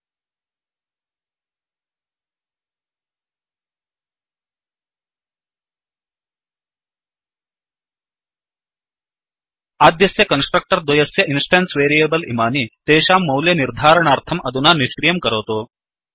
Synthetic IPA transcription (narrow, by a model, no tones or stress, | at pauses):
aːd̪jɐsjɐkɐnsʈɾɐk̚ʈɐɾd̪ʋɐjɐsjɐʔinsʈensʋeːɾijeːbɐlḭmaːnit̪eːʃaːmːɐwljɐniɾd̪ʱaːɾɐɳaːɾt̪ʰɐmɐd̪ʱunaniʃkɾijɐmkɐɾoːt̪oː